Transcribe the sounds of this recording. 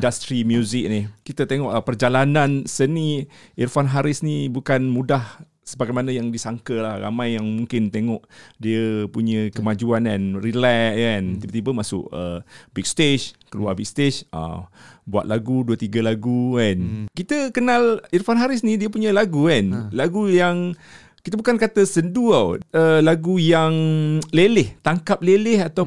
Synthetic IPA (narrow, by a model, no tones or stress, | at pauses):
indast̪ɾimjuzɪk̚nihkit̪ət̪eŋɔʔpərd͡ʒalanãnsəniirfanɦaɾɪsnibukanmudah | səbaɡajmanajaŋdisaŋkəlahra̰majːaŋmuŋkɪnt̪eŋɔʔdiəpuɲə̃kəmad͡ʒuanɛnrilɛant̪ibət̪ibəmasʊ̰ʔəbik̚st̪eʃkəlua̰bik̚st̪esa̰bua̰t̪̚laɡuduət̪iɡəlaɡuɛnkit̪əkənalirfanɦaɾɪs̬nidiəpuɲə̃laɡukanlaɡujaŋ | kit̪abukankat̪əsənduaəlaɡujaŋlelɪht̪aŋkap̚lelɪhat̪aw